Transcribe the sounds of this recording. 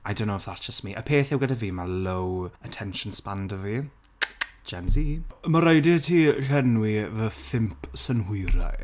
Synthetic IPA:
ajdow̃nːoʊwɛfðatʒ̥əstmiʔəpʰeːθɛwɡadaviːmalowətʰɛnʃənspandəvi̥ | d͡ʒɛmzimaɾajdɪtʰiːɬɛnwivəθɪmpʰsənhʊɾa̰

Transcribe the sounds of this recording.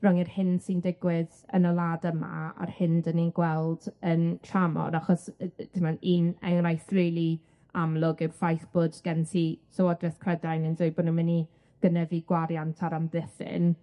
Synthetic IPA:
rɔŋirhɪnd̥sindɪɡwɪð | ə̰nəlˠaːdəma̰a̰rhɪndəniɡwɛlˠdəntʰramɔ̰daχɔsd̥ɪmaniːnɛ̰ŋrajθrejlˠi | amlˠʊɡɨrfajθb̥ʊdɡ̥ɛntʰisɔwɔdrɛθkʰrədajnɪndoɨbɔdnənməni | ɡ̥ənəviɡwaɾjantʰaɾamðɪθɪ̰n

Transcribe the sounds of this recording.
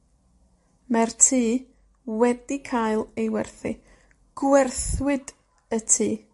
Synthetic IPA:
martʰiː | wɛdikʰajlˠejwɛrθi | ɡ̥wɛrθwɪd | ətʰiː

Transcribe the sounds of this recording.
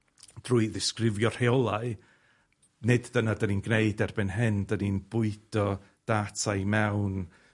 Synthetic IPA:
d̥ruɨðɪskrɪvjɔr̥heɔlˠaɨ | nɪdðənadəninɡneɨdɛrbɪnɦɪndəninb̥ʊɨd̥ɔ | d̥atʰajmɛwn

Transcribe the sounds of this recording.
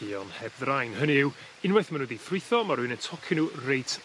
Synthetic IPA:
iɔnhɛb̚ðrajnhəniɪw | ɪnwɛθmanwɛdiθrɪθɔmaɾɨːnəntʰɔkʰɪnurejtʰ

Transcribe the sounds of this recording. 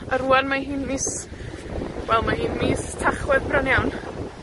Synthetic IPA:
əɾuanmaɦiːnmiːs | wɛlˠmaɦiːnmiːstʰaχwɛðbranjawn

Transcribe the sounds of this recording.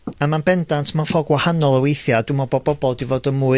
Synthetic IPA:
amanbɛndantʰmafɔɡwahanɔlˠəwejθjadʊmɔbɔbɔbɔlˠdivoːdənmuːɨ

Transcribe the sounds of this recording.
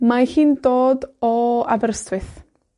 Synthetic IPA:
mahiːndoːdɔavɛrstʰwɪθ

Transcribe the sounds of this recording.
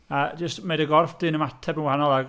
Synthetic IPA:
əd͡ʒəstmedəɡɔrfd̥ɨnəmatʰɛbənwhanɔlˠaɡ

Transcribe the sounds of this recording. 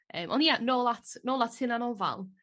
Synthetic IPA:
ʔəːmʔɔ̰njanoːlatnoːlˠatʰɪnanɔva̰lˠ

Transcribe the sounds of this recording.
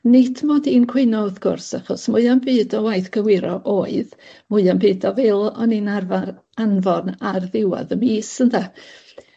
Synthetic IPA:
nɪtʰmɔdiːnkʰw̥ɪnɔwðɡ̥ʊ̰rsaχɔsmʊɨambɨːdɔwajθɡ̥əwɪɾɔʔoːɨðmʊɨambɨːdɔvɪlˠɔninarvaɾ | anvɔnarðɪwa̰ðəmiːsənda

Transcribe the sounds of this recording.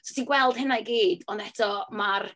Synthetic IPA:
sɔtʰiːnɡwɛlˠd̥hɪnajɡiːd̥ɔnɛtʰɔmar

